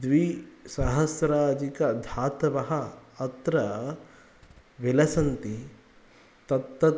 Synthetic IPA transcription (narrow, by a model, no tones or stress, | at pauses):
d̪ʋisɐɦɐsɾaːd͡ʒikɐd̪ʱaːt̪ɐʋɐɦɐɐt̪ɾɐ | ʋilɐsɐnt̪i | t̪ɐt̪ːɐ